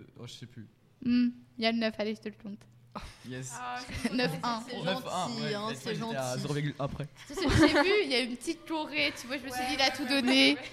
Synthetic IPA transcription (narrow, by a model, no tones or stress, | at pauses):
ɔ̰̃ʒəsɛply | m̩ijalənœfaleʒət̪ələkɔ̃t̪ | jɛsnœfɛ̃sɛʒ̃tiɛ̃sɛʒɑ̃t̪zeʁoviʁɡylʔɛ̃pχɛsəəʒəsɛpyjaynpət̪it̪tɔʁet̪yvwaʒəməsɥid̪id̪at̪ud̪ɔne